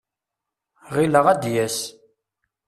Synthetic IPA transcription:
ʁiləʁæd̪jæs

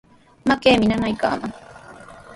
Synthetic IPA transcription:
makeːmɪnanajka̰ːmaŋ

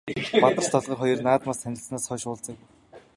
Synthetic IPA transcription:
pat̪ə̆r̥t͡ɕt̪ʰɔɮʁə̆rχɔjɞ̆rnaːt̪maːsʰænʲɪ̆ɬsnaːsχœʃʊːɮt͡sə̆k̚

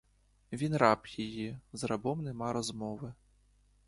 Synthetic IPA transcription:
vʲinɾapjajizrabɔmnɛmaɾɔzmɔʋɨ

